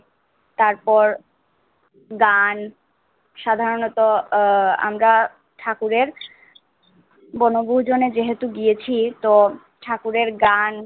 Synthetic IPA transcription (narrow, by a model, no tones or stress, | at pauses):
t̪aɾpɔɾ | ɡan | ʃad̪ʱaɾonɔt̪o | a̰mɾa | ʈʰakuɾeɾ | bɔnoboɦud͡ʑoned͡ʑeɦet̪uɡijet͡ɕʰit̪o | ʈʰakuɾeɾɡan